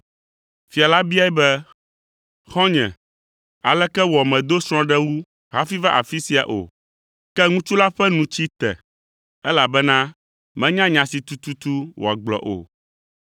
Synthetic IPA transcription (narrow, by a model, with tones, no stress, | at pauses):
fi˨a˨la˦bi˦a˦ɛ˦bɛ˦ | xɔ̃˦ɲɛ̰̃˨ | a˨lɛ˦kɛ˦wɔ˨mɛ̃˨d̪o˦sɾ̃ɔ̃˦ɖɛ˦wu˦ | ɦa˦fi˦va˦ʔa̰˨fi˦si˨a̰˨ʔo̰˨ | kɛ˦ŋũ˦t͡ʃu˦la˦ɸɛ˦nũ˨t͡ɕi˦t̪ɛ̰˨ | ɛ˦la˨bɛ˦nã˦ | mɛ̃˨˦ɲã˦ɲã˨si˨t̪u˦t̪u˦t̪u˦wo˨a˨ɡ͡blɔ̰˨ʔo̰˨